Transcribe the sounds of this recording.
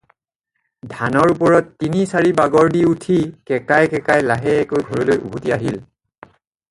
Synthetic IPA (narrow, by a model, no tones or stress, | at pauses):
dʱanɔɹupɔɹɔtːinisaɹibaɡɔɹdiutʰikɛkajkɛkajlaɦɛːkojɡʱɔɹɔlojʔṵbʱutiaɦil